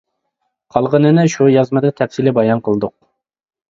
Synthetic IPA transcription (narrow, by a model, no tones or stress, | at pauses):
qʰɑlˠʁənɨnɪʃujɑzmɨd̪ɨt̪ʰɛfsilɪbɑjɑnqʰəlˠd̪ʊq̚